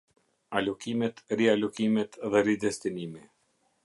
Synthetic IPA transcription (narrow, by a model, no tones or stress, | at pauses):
alɔkimɛt̪ɾialɔkimɛt̪ðɛɾid̪ɛst̪inimi